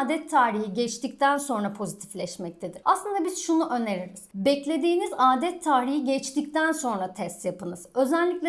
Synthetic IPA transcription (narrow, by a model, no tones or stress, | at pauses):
d̪ɛt̪ʰːaːɾiɦiɟɛt͡ʃt̪ic̚t̪ʰænso̞nɾapʰo̞zit̪ʰi̥flʲɛʃmɛc̚t̪ʰed̪iɾa̰slˠɯnd̪abizʃunuʔø̞neɾiɾiz̥bɛclʲe̞d̪iːnizaːd̪ɛt̪ʰːaːɾihiɟɛt͡ʃt̪ic̚t̪ʰænso̞nɾat̪ʰɛst̪japɯnɯz̥ø̞zællʲːiclʲɛ